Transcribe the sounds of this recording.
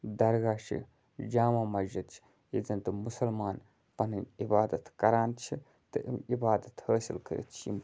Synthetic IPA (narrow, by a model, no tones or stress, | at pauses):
d̪ɐɾɡaːʃḭ | d͡ʒaːmaːmɐzɐt̪t͡ʃʰi̥ | jid͡zɐnt̪ɨmusɐlmaːn | pɐnɨnʲibaːd̪ɐt̪kɐɾaːnt͡ʃʰi | t̪ɨʔimibaːd̪ɐt̪həːsilkɐɾḭt̪̚t͡ʃʰḭm